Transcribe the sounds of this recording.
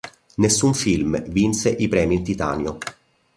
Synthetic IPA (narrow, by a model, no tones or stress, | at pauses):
nesːuɱfilmvinseʔipɾɛːmint̪it̪a̰ːnjo